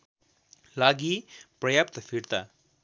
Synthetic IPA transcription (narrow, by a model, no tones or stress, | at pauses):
laɡiprʌjap̚t̪pʰiɽt̪a